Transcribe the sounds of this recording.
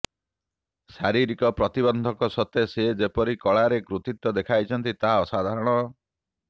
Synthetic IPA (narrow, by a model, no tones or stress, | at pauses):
ʃaɾiɾikɔpɾɔt̪ibɔnd̪ʱɔkɔsɔt̪ʰesed͡ʒepɔɾikɔɭaɾekɾut̪it̪ːɔd̪ekʰajt͡ʃʰɔnt̪it̪aɦaɔsad̪ʱaɾɔɽ̃ɔ